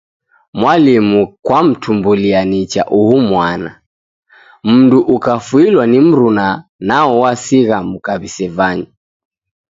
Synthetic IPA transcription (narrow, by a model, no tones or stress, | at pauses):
mwalimukwam̩tumbulianit͡ʃaʔuhumwana̰ | m̩nduʔukafuilwanim̩ɾunanaɔwasiɣam̩kaβisɛvaɲi